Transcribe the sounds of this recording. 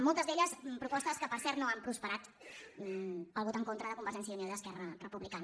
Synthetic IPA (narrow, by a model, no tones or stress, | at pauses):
molˠt̪əzðeʎəspɾupɔst̪əskəpəɾsɛɾt̪noampɾuspəɾat̪ | əlˠβɔt̪əŋkont̪ɾəðəkumbəɾʒɛns̬jəunioðəskɛrərəpuβlikanə